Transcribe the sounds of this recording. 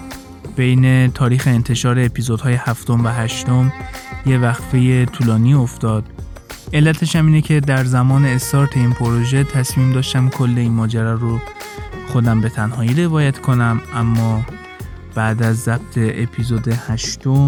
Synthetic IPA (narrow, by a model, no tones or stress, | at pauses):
b̥e̞jne̞t̪ʰɒːɾiːxe̞ːnt̪ʰe̞ʃɒːɾeːpʰizod̪hɒːje̞hæft̪o̞mvæɦæʃt̪o̞mje̞væxfejet̪ʰuːlɒːniːo̞ft̪ɒːd̪̥ | e̞lːæt̪ʰe̞ʃæmiːnecʰe̞d̪æɾzæmɒːne̞ːst̪ɒːɾt̪ʰe̞iːnpʰoɾoʒet̪ʰæsmiːmd̪ɒːʃt̪æmkʰo̞lːe̞iːnmɒːd͡ʒæɾɒːɾo | xo̞d̪æmbe̞t̪ʰænɦɒːjiːɾe̞vɒːjæt̪ʰkʰo̞næmʔæmːɒː | b̥æʔd̪æzːæb̥̚t̪ʰe̞ʔepʰiːzoːd̪e̞hæʃt̪om